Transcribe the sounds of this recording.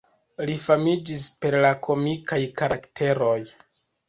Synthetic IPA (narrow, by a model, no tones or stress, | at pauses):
lifamid͡ʒispe̞ɾlakʰo̞mikajkaɾaktʰe̞ɾo̞j